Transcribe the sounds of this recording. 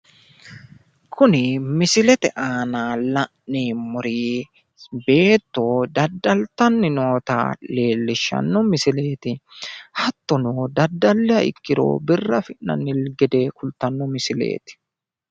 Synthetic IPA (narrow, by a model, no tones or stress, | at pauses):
kʰʊnɪmɪsɪlɛt̪ɛʔaːnaːlɐʔniːmʊɾiː | be̞ːt̪ːoːd̪ɐd̪ːɐlt̪ɐnːɪno̞ːt̪a̰ːle̞ːlːɪʃːɐ̰nːɔmɪsɪle̞ːt̪ɪhɐt̪ːɔnoːd̪ɐd̪ːɐlːɛɐɪ̰kːɪɾo̰ːbɪrːɐfɪʔnɐ̰nːɪlɡɛd̪e̞ːkʊlt̪ɐnːɔmɪsɪlḛːt̪ɪ̥